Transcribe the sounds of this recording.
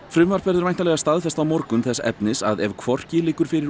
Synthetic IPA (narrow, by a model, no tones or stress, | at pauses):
fɾʏmvaɾ̥pɛɾðʏɾajnalɛɣast̪aðfɛst̪awmɔɾkʏmθɛsɛ̰pnɪsaðɛvkʰvɔr̥cɪlɪːkʏɾ̥fɪɾɪɾ